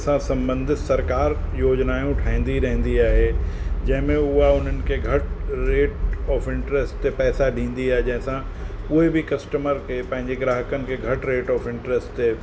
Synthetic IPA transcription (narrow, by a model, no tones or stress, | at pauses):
sãsɐ̃mbə̃nd̪ʱɪt̪sɐɾkaːɾjoːd͡ʑnaːjũʈʰaːɦĩːn̆d̪iɾɐɦə̃n̆d̪iaːɦed͡ʑɐ̃ɦɪ̃mẽʊɦaʊn̤ənɪ̆kʰeɡʱɐʈɾeːʈɔːfɪ̃ɳʈɾesʈt̪epɛːsaɖʱĩːn̆d̪iaːɦed͡ʑɐ̃ɦɪ̃sã | ʊɦebʱɪkɐsʈəməɾkʰepɐ̃ɦɪ̃ɲd͡ʑeɡɾaːɦəkənɪ̆kʰeɡʱɐʈɾeːʈɔːfɪ̃ɳʈɾesʈt̪e